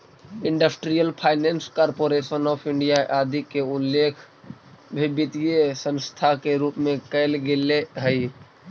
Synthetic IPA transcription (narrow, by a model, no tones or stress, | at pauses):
ɪ̃ɳɖəsʈɾijəlpʰaːɪnenskɔːɾpoɾesənɔːpʰɪɳɖijaʔaːd̪ʱikeʊlːeːkʰ | bʱibɪt̪ijesə̃nst̪ʰakeɾuːpmẽkəɪlɡeleɦəi